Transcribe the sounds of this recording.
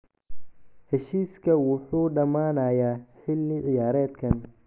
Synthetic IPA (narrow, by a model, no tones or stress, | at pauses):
hɛʃiːskʰɐwʊħuːɖɐmaːnɐːjaːħɪlːɪʕɪjaːɾɛːd̪kʰɐn